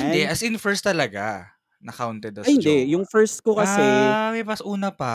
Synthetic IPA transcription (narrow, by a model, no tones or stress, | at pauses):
hɪnd̪ɛʔɐsɪnfɛɹst̪ɐlɐɡa | nɐkawnt̪ɛd̪ɐhɪnd̪ɛjʊŋfɛɹst̪̚kokɐsɛmɛmɐsʔuːnɐpɐ